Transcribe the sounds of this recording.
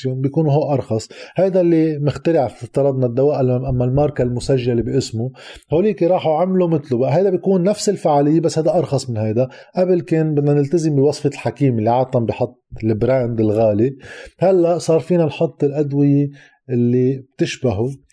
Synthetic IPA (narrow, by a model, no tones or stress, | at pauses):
joːnbjkuːnuɦoːʔʔɑɾˤxɑsˤhajd̪alːimɪxt̪ɪɾɪʕfɪt̪ːɨɾˤɑd̪nad̪ːawaːʔɪlamʔamːalmɑːɾˤkalmʊsaʒːalebiʔɪsmuhoːliːkiɾˤɑːħuʕamlumɪt̪lubaʔɦajd̪abjkuːnːafsɪlfaʕaːlɪjːebasːhajd̪aʔɑɾˤxɑsˤmɪnhajd̪aʔabɪlkeːnbɪd̪nanɪlt̪azɪmbɪwɑsˤfɑlħakiːmɪlːiʕɑːt̪ˤːɑmbɪħɑt̪ˤːlbɾand̪ɪlɣaːlihalːaʔsˤɑːɾˤfiːnanħɑt̪ˤːɨlʔad̪wɪje | ʔɪlːib̚t̪ɪʃbaɦu